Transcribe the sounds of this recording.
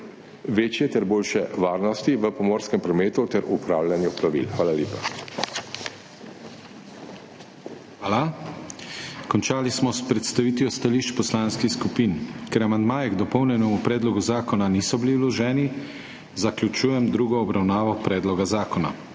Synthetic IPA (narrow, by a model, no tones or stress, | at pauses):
ʋeːt͡ʃjɛt̪ɛɾboːlʃɛʋaːɾnɔst̪iʋəpɔmɔːɾskɛmpɾɔmeːt̪ut̪ɛɾupɾaːwlʲjanjupɾaʋḭlxʋaːlaljeːpa | aːla | kɔnt͡ʃaːlismɔspɾɛt̪st̪aʋiːt̪jɔst̪aliːʃt͡ʃpɔslaːnskixskupiːnkɛɾamand̪maːjɛɡd̪ɔpɔwnjɛnɛmupɾɛːd̪lɔɡuzaːkɔnanisɔbiliwlɔʒɛːni | zaklʲut͡ʃuːjɛmd̪ɾuːɡɔːbɾawnaːʋɔpɾɛːd̪lɔɡazaːkɔna̰